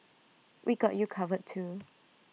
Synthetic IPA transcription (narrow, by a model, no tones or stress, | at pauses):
wʔiɡɔ̰ʔjukʰavəd̚tʰːu